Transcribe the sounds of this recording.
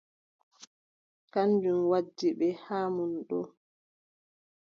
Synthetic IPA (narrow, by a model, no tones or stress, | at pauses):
kandunwad͡ʒːiɓɛhaːmunɗɔ̰